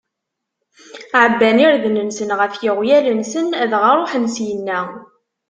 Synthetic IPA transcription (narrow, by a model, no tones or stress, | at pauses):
ʕəbːæniɾðnənsənʁəfjɪʁjælənsənðʁɑɾˤoħənsjənːæ